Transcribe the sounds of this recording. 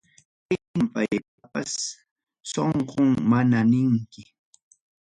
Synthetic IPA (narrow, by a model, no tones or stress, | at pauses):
pɪɪmpajpapas | soɴqoŋmananɪŋkɪ